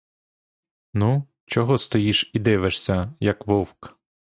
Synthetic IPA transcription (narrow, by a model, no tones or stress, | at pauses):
nu | t͡ʃɔɦɔst̪ɔjiʃid̪ɪʋeʃsʲɐjɐkʋɔwk